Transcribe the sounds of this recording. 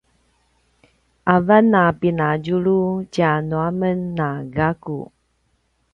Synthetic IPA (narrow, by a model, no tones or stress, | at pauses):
ʔavanapinaɟuɾucanuamənːaɡaku